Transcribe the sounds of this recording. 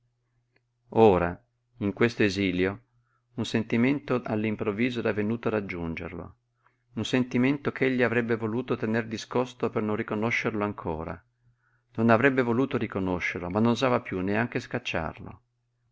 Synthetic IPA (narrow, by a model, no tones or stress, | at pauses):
oːɾa | iŋkwest̪oeziːljo | unsent̪iment̪oʔa̰lːimpɾovːiːzoɛɾavːenuːt̪oarad͡ʒːund͡ʒḛrlo̰ | unsent̪iment̪okeʎːiavɾɛbːevoluːt̪ot̪enerd̪iskost̪opernõnrikonoʃːerloaŋkʰoːɾa̰ | nonavɾɛbːevoluːt̪oɾikonoʃːeɾlomanːonozaːvapjunːeaŋk̟eskat͡ʃːa̰rlo̰